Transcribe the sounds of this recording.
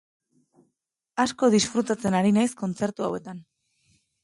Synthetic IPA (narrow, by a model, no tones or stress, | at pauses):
asko̞ðisfɾut̪at͡se̞naɾinajsko̞nt͡se̞ɾt̪uawe̞t̪an